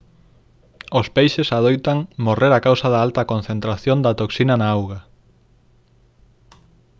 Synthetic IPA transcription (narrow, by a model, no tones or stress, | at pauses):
ospejʃesað̞ojt̪aŋmoreɾakawsaðaalt̪ɐkon̟θent̪ɾaθjond̪at̪oksinɐnaawɣa